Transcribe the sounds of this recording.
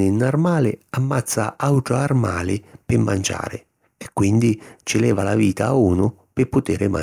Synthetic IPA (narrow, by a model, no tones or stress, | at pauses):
ɪnːarmaːlɪ̰amːat̪sːaawʈ̪ɾoarma̰ːlɪpɪmːand͡ʒa̰ːɾɪ̰ | ɛkːwind̪it͡ʃɪlɛːvalaviːt̪auːnʊ | pɪpːʊt̪ɪːɾɪma̰